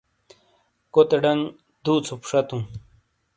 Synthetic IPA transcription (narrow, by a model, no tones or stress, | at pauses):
kot̪eɖɐŋ | d̪uːt͡sʰupʂɐt̪ũ